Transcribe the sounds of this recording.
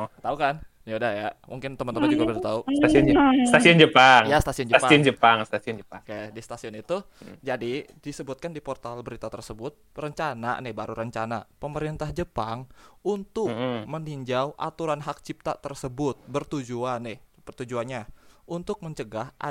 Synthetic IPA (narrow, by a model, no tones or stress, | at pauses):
t̪aukan | jaudahjamuŋkɪnt̪əmant̪əmand͡ʒuɡabədat̪ausasist̪asiʊnd͡ʒəpaŋjast̪asiʊnd͡ʒəaspaʊnd͡ʒəpaŋst̪asiʊnd͡ʒəakadist̪asiʊnit̪u | d͡ʒadidisəbʊt̪̚kandipɔrt̪albəɾit̪at̪ərsəbʊt̪̚rəɲt͡ʃana̰nɪbaɾuɾəɲt͡ʃana̰pəməɾint̪ahd͡ʒəpaŋunt̪ʊk̚məniɲd͡ʒawʔa̰t̪uɾanɦak̚t͡ʃip̚t̪a̰t̪ərsəbʊt̪̚bərt̪ud͡ʒuanɪhbərt̪ud͡ʒuanɲaunt̪ʊk̚məɲt͡ʃəɡaha